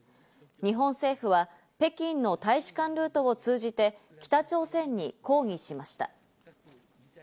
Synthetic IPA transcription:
ɲ̟iɦõ̞ɰ̃se̞ːɸɯ̟βa | pe̞kʲĩnːo̞t̪aiɕi̥kãnɾɯ̟ːt̪o̞ot͡sɨːʑit̪e̞ | kʲi̥t̪at͡ɕo̞ːsẽ̞ɲ̟ːiko̞ːŋ̟ʲiɕimaɕi̥t̪a̰

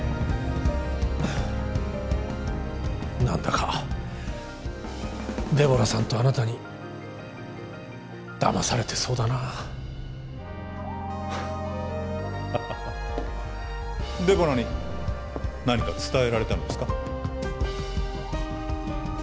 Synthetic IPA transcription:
nã̰nd̪akʰa | d̪e̞bo̞ɾasãnt̪o̞anat̪aɲ̟i | d̪̥a̰masaɾe̞t̪e̞̥so̞ːd̪ana | d̪e̞boɾaɲi | naɲ̟ikat͡sɨ̥t̪ae̞ɾaɾe̞t̪anod̪esɨ̥ka

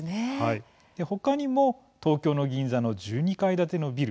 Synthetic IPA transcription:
nehai | d̪̥e̞ho̞kaɲ̟imo̞ | t̪o̞ːkʲo̞ːno̞ɡʲĩñd͡zzano̞d͡ʑɨːɲ̟ikaid̪at̪e̞no̞bʲiɾɯ

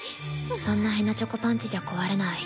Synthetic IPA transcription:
sõ̞nːaɦe̞nːat͡ɕo̞kopãɲ̟t͡ɕiʑako̞βaɾenai

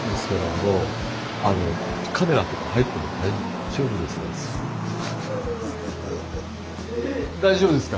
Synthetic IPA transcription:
d̪esɨ̥koɾano | ano̞kʰame̞ɾat̪o̞kahait̪ːanod̪ai | ʑo̞ːbɯd̪esɨna | d̪aiʑobɯ̟d̪e̞sɨ̥ka

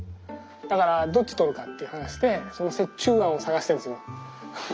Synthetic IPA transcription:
d̪̥akaɾad̪o̞t͡ɕːi̥t̪o̞ɾɯ̟kat̪ːe̞iɯ̟hanaɕi̥d̪e̞so̞no̞se̞t͡ɕːɨːɡãɰ̃o̞saɡaɕi̥t̪eñsɨjo

